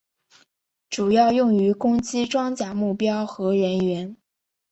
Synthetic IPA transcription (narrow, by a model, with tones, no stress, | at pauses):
ʈ͡ʂu˨˩jɑ˥˧ʊjʊ˥˩ŋy˧˥kʊ˥ŋt͡ɕi˥ʈ͡ʂwɑ˥ŋt͡ɕja˨˩mu˥˩pjɑ˥ʊxɤ˧˥ɻə˧˥nɥɛ˧˥n